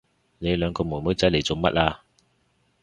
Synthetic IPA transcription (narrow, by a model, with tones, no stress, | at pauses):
ne˨˧jlœː˨˧ŋkɔː˧mu˨˩jmo˨˥jt͡sɐ˨˥le˨˩jt͡so˨wmɐ˦˥t̚ʔaː˧